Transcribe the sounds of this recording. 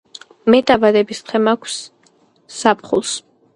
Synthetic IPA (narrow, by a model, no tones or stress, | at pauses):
mɛt̪ʼabad̪ɛbist̪χʰɛmakʷʰsː | apʰχṵlˠs